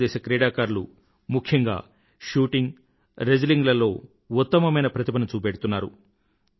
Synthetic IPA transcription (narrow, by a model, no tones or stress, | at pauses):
ɛːʃɐkɾɛːɽaːkaːɾlu | mukʰjɐŋɡa̰ː | ʃuːʈiŋɡ | ɾed͡ʒɐliŋɡlɐlo̞ː | ut̪ːɐmɐmɐjnɐpɾɐt̪ibɐnɐt͡ʃuːpeːɽut̪unːaːɾu